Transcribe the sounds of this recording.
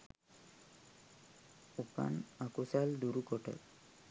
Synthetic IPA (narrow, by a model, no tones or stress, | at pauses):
upa̰nakusald̪uɾukɔʈə̰